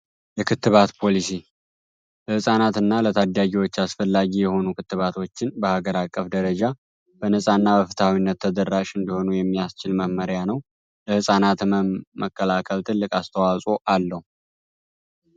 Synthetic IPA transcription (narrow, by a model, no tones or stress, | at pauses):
jɛkʰɨt̪ːɨβat̪pʰo̞lisi | ləhɨsʼanat̪ɨnːalət̪ʰad̪aɡiwo̞t͡ʃːasfəlːaɡijɛho̞nukʰɨt̪ːɨβat̪ʰo̞t͡ʃːɪnbəhaɡəɾakʼːəfd̪əɾəd͡ʒa | b̥ənəsʼanːabəfɨt̪ʰawinːət̪ʰːəd̪əɾːaʃɨnd̪iho̞nujɛmːijast͡ʃɪlməhməɾjanəw | ləhɨsʼanat̪məkːəlakʰəlt̪ʰɨlːɨkʼast̪ʰəwasʼo̞ʔalːəhu